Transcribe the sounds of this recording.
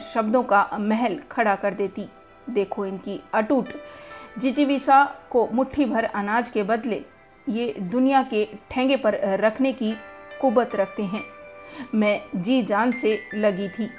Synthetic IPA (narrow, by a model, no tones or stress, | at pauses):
ʃɐbd̪õkamɛɦɛlkʰɐɽakɐɾd̪eːt̪i | d̪eːkʰoɪnkiɐʈuːʈd͡ʒɪt͡ʃiʋisakomʊʈʰːibʱɐɾɐnaːd͡ʒkebɐd̪le | jeːd̪ʊnijakeʈʰɛ̃ːŋɡepɐɾːɐkʰnekikʊbət̪ɾɐk̚ʰt̪eɦɛ̃ːmɛ̃d͡ʒiːd͡ʒaːnselɐɡit̪ʰiː